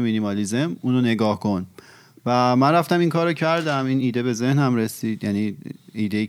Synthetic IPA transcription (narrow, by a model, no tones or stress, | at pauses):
minimɒlizemuːnone̞ɡɒːhkʰo̞n | væmænræft̪æmiŋkʰɒːɾocʰæɾd̪æmiːniːd̪ebe̞ze̞hnhæmɾe̞siːd̪̥jæniːiːd̪e